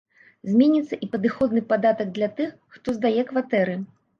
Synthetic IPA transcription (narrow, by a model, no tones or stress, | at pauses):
zʲmʲenʲit̪sːɐʔipɐd̪ɨxɔd̪nɨpad̪at̪ɐɡ̚d̪lʲat̪ɨxːt̪ɔzd̪ajɛkvat̪ɛɾɨ